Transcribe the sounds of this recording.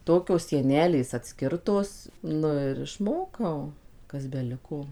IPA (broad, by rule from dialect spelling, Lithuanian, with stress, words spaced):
ˈtoːkʲoːs sʲiɛˈnʲæːlʲeːs ɐtʲˈsʲkʲɪrtoːs ˈnʊ ɪr ɪʃˈmoːkɐʊ kɐs bʲɛˈlʲɪkoː